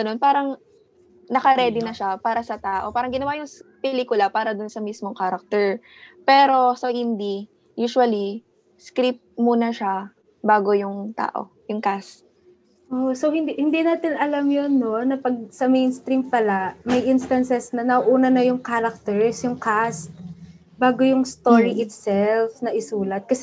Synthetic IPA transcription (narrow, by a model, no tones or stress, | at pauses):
ɐnonpaːɾɐŋ | nɐkɐɾɛd̪ɪnɐʃapaːɾɐsɐt̪aːʔo̞paːɾɐŋɡɪnɐwajʊŋpɛlikʊlapaːɾɐd̪ʊnsɐmismoŋkaːɾɐk̚t̪ɛɹ | pɛːɾo̞sohɪnd̪i | juːʃʊɐli | skɾip̚t̪̚muːnɐʃa | baːɡojʊŋt̪a̰ːʔo̞̰ | jʊŋkast̪̚ | ʔoso̞hɪnd̪hɪnd̪inaːt̪ɪnɐlamjonːo̞nɐpɐɡ̚sɐmejnst̪ɾimpɐlamɐjʔinst̪ɐnsɛsnɐnɐʔʔuːnɐnɐjʊŋkaːɾɐk̚t̪ɛɹsjʊŋkast̪̚ | baːɡo̞jʊŋst̪o̞ːɹiʔɪt̪sɛlfnɐʔɪsuːlɐt̪̚kɐsɛ